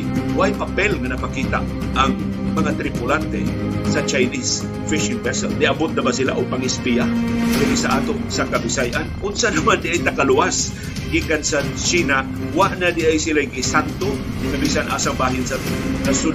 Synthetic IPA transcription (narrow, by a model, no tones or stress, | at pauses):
wajpapɛlŋanɐpakiːt̪a̰ | ʔaŋ | mɐŋat̪ɾɪpʊlant̪ɛ | sɐt͡ʃajnis | fɪʃɪnpɛsɛ̰lnɪʔɐbʊt̪̚nɐbasɪla̰ʔʊpaŋɪspijakamisaʔaːt̪oŋisaŋkabɪsajʔanʔʊnsanɐmand̪ɪʔajt̪akalʊwas | ɡiːkansat͡ʃina | waʔnad̪ɪʔajsɪlajɡɪsant̪o | nɪkabisanʔa̰ːsaŋbaːɦɪnsat̪nasʊ